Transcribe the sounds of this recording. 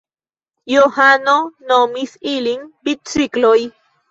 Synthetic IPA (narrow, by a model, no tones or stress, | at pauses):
johanonomisiliŋbit͡sikloj